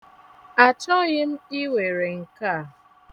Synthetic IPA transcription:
a˨t͡ʃɔ˦ɣɪ˦n̩˦i˦we˨ɾe˨ŋ̩˨ka˦˨

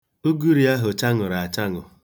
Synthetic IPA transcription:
o˦ɡu˦ɾi˨a˦ɦʊ˨t͡ʃa˦ŋʊ˨ɾa˨a˨t͡ʃa˦ŋʊ̰˨

